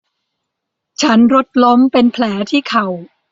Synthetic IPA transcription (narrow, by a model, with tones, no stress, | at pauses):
t͡ɕʰa˦˥nɾo˦˥t̪̚lo˦˥mpe˧npʰlɛː˩˦t̪ʰiː˥˩kʰa˨˩w